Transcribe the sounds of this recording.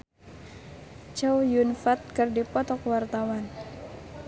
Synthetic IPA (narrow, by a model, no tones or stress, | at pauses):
t͡ʃawjunfat̪̚kɨrdipɔt̪ɔkwart̪awan